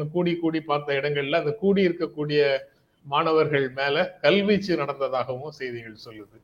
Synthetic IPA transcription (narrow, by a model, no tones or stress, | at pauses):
ɐkuːɽikːuːɽipaːɾt̪ɐɪɽɐŋɡɐɭɪlːãːɪnd̪ɐkuːɽiɪɾɯkːɐkːuːɽɪjɐ | maːɳɐʋɐɾɣɐɭmeːlɐkɐlʋɪt͡ʃːɯnɐɽɐnd̪ɐðaːɣɐʋɯ̃msɛjðɪɣɐɭsɔlːɐðɯ